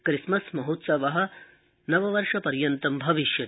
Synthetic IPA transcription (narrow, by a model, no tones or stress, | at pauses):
kɾismɐsmɐɦut̪sɐʋɐɦɐ̆ | nɐʋɐʋɐɾʂɐpɐɾjɐnt̪ɐmbʱɐʋiʃjɐ